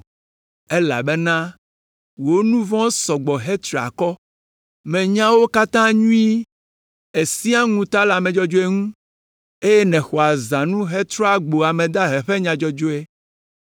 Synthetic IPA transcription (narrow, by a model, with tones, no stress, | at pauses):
e˦la̰˨bɛ˦nã˦ | wo˨˦nũ˦vɔ̃˦sɔ˨ɡ͡bɔ˨ɦe˦t̪ɾi˨a̰˨kɔ˦ | mɛ̃˨ɲã˦wo˦ka˦t̪ã˦ɲũ˦i˦ | e˨si˦a˦ŋũ˨t̪a˦la˨mɛ̃˨d͡ʒɔ˦d͡ʒo˦e˦ŋũ˦ | e˦je˦nɛ̃˨xɔ˨a˨zã˨nũ˦ɦe˦t̪ɾɔ˦a˨ɡ͡bo˨a˨mɛ̃˨d̪a˦ɦɛ˨ɸe˦ɲã˨d͡ʒɔ˦d͡ʒo˦e˦